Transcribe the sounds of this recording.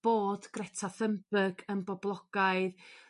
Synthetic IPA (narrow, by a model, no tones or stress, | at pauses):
b̥oːd̥ɡ̥rɛtʰaθəmbəɡənbɔblˠɔɡ̥aɨð